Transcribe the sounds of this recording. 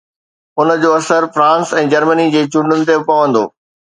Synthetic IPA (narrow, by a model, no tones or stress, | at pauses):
ʊnə̆d͡ʑoːɐsəɾfɾãːnsɛ̃ːd͡ʑɐɾmənid͡ʑeːt͡ɕʊ̃ɳɖʊnɪ̆t̪̬epɐʋə̃nd̪o̰ː